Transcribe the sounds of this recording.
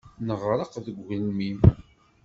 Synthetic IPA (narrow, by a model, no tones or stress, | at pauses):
nəʁɾˤɑqəvðəɡʷʝlmin